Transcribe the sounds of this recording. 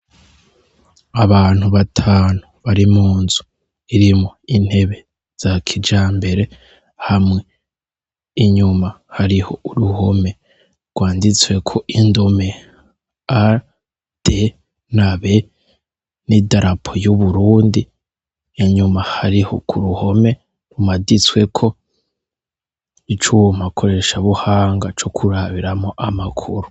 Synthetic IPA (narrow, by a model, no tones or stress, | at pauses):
aβaːn̥huβatʰaːnuβaɾimuːnzu̥ | iɾimoin̥he̞βe̞ | z̥akʰid͡ʒaːmbe̞ɾe̞ | hamŋe | iɲuma | haɾiho̞uɾuho̞me̞ | ɡ̥waːndit͡swe̞kʰo̞ʔindome̞ | a | d̥e | naβe | nidaɾapʰojuβuɾuːndi | iɲumahaɾiho̞̰kʰuɾuho̞me̞ | ɾumadit͡swe̞kʰo̞ | it͡ʃuwomakʰo̞ɾe̞ʃaβuhaːŋɡat͡ʃo̞kʰuɾaβiɾamoʔamakʰuɾu